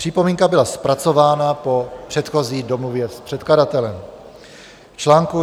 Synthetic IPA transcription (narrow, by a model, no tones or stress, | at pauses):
pr̥ipo̞miːŋkabɪlaspɾat͡so̞vaːnapo̞pr̝̥ɛt̪xo̞ziːdo̞movjɛspr̝̥ɛt̪kladat̪ɛlɛm | ft͡ʃlaːŋku